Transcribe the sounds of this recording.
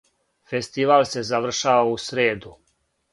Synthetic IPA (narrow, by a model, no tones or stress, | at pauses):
fest̪iʋaːlse̞zaʋr̩ʃaːʋausɾeːd̪u